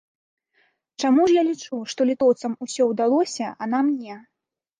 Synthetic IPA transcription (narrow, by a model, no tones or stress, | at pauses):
t͡ʂamuʐjalʲit͡ʂuʂt̪ɔlʲit̪ɔwt̪sɐmusʲɔwd̪alˠɔsʲɐɐnamnʲɛ